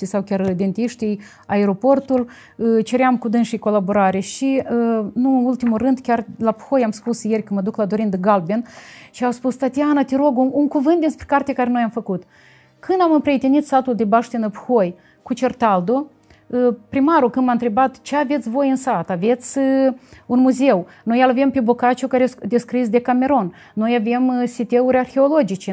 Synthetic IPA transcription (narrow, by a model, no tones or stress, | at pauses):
isawkʲarid̪e̞nt̪iʃt̪ij | aeɾo̞po̞rt̪ul | t͡ʃe̞ɾeamkud̪ɨnʃijko̞laboɾaɾeʃinuɨnult̪imurɨnd̪kʲarlapxo̞jamspusje̞rʲkəməd̪uklad̪o̞ɾind̪ɡalbenʃiawspust̪at̪ianat̪eɾo̞ɡuuŋkuvɨnt̪d̪inspɾʲekart̪ekaɾeno̞jamfəkut̪ | kɨnd̪amɨmpɾeet̪enit̪sat̪uld̪ebaʃt̪enəpu̥xo̞j | kut͡ʃe̞rt̪ald̪o̞ | pɾimaɾukɨnd̪mant̪ɾe̞bat̪t͡ʃeave̞t̪sʲvo̞jɨnsat̪ave̞t̪sʲɨunmuze̞wno̞jalave̞mpebokat͡ʃukaɾed̪eskɾis̬d̪e̞kame̞ɾo̞nː | o̞jave̞msit̪euɾʲarxʲe̞olo̞d͡ʒit͡ʃe